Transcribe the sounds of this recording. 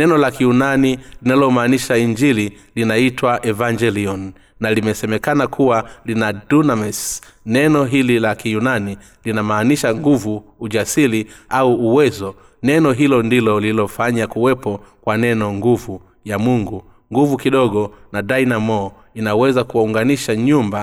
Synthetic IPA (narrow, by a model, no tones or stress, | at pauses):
nɛnɔlakijunanilinalɔmaːniʃaiɲd͡ʒili | linaitwaʔɛvaɲd͡ʒɛliɔnː | alimɛsɛmɛkanakʰuwalinadunamɛsnɛnɔɦililakijunani | linamaːniʃaŋɡuvuːʄasiliauːwɛzɔ | nɛnɔɦilɔndilɔliilɔfaɲakuwɛpɔkwanɛnɔŋɡuvu | jamuŋɡu | ŋɡuvukiɗɔɠɔnaɗainamɔ | inawɛzakuwauŋɡaniʃaɲumba